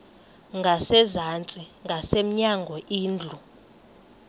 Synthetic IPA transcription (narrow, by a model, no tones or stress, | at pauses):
ŋɡʱasɛzant͡sʼiŋɡʱasem̩ɲaŋɡʱɔʔiːnd͡ɮʱu